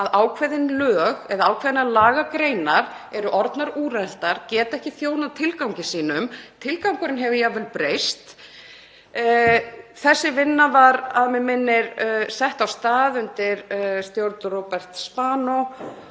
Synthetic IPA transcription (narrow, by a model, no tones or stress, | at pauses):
aðaːwkʰvɛðɪnlœːɣɛðaaːwkʰvɛːðɪnalaːɣakɾeːjnaɾ̥ɛɾʏʔɔɾt̪naɾuːɾɛl̥t̪aɾ̥cɛːt̪aɛhcɪθjoːwnat̪ʰɪlkawɲcɪsiːnʏmt̪ʰɪlkawŋkʏɾɪnɦɛvʏjavɛlpɾeːjst̪ | θɛsːɪvɪnːavaɾaðmɛmɪnːɪɾsɛht̪awst̪aːðʏnt̪ɪɾst̪jowɾt̪ropɛr̥t̪spaːnɔ